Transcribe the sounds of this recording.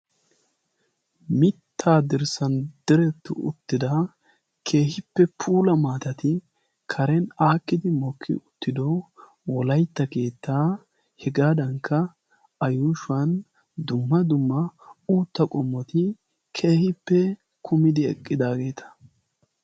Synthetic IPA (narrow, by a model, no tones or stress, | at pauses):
mɪt̪ʰːaːd̪ɪɾsɐnd̪̥ɪɾɛt̪ːʊ̰ʊ̰t̪ːɪd̪ɐ | kʰe̞ːhɪpːɛpʰuːlɐmaːt̪ɐt̪ɪ | kʰɐɾɛnaːkːɪd̪ɪmɔkʰːɪ̰ʊt̪ːɪd̪ɔ | wɔlɐjt̪ːɐke̞ːt̪ːaː | hɛɡaːd̪ɐŋkʰːɐ | ɐjuːʃʊɐn | d̪ʊmːɐd̪ʊmːɐuːt̪ːɐkʼɔmːɔt̪ɪ | kʰe̞ːhɪpːɛ | kʰʊmɪd̪ɪɛ̰kʼːɪd̪aːɡe̞ːt̪ʰɐ̥